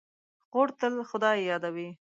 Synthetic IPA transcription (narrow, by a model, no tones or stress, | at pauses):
ɣoɽt̪əlxʊd̪ɑjjɑd̪awi